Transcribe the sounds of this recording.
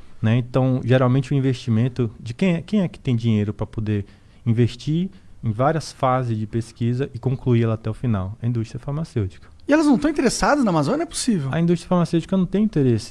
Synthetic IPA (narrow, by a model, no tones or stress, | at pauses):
nɛẽt̪ɐ̃w̃ʒeɾawmẽnt͡ʃɪʊĩveʃt͡ʃimẽnt̪ʊd͡ʒɪkẽj̃ɛkẽj̃ɛkɪ̥t̪ẽj̃d͡ʒĩɲejɾʊpɾɐpod̪eɾ | ĩveʃt͡ʃiɾẽj̃vaɾiɐsfazɪzd͡ʒɪpeskizɐʔɪkõŋkluiɛlɐat̪ɛʊfinawɐĩd̪ust̪ɾiɐfaɾmasewt͡ʃi̥kɐ̥ | ɪɛlɐznɐ̃w̃t̪ɐ̃w̃t̪eɾesad̪ɐznɐamazõnjɐɛpʊ̥sivewɐĩd̪ust̪ɾjɐfaɾmasewt͡ʃikɐnɐ̃w̃t̪ẽj̃ĩt̪eɾesɪ̥